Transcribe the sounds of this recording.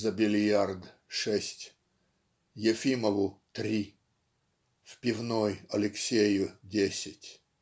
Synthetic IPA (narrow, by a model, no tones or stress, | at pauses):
zɐbʲɪlʲjard̪ | ʂɛsʲtʲ | jefʲiməvʊt̪ɾʲi | fpʲɪvnojɐlʲɪksʲejʊdʲesʲɪtʲ